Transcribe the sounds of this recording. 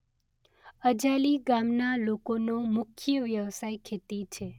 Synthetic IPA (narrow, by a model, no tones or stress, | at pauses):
əd͡ʒaliɡamnalokonomʊkʰjəʋjəʋsajkʰet̪it͡ʃʰe